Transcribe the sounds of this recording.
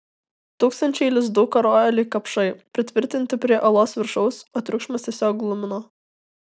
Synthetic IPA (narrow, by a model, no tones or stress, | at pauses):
t̪uːkst̪ɐnʲt͡ʃʲɛɪlʲɪzd̪ʊkɐɾoːɛlʲiːkɐpʃɐɪpʲɾʲɪt̪ʲʋʲɪɾʲt̪ʲɪnʲt̪ʲɪpʲɾʲiɛʔɐlˠoːsʋʲɪɾʃɔʊsoːt̪ʲɾʲʊkʃmɐst̪ʲesʲoːklˠʊmʲɪnoː